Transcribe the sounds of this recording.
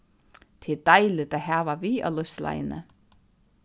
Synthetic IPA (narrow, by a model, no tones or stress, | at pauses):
t̪ʰɪd̪ajlɪt̪aðɦaːvaviːa̰wlœsla̰jnə̰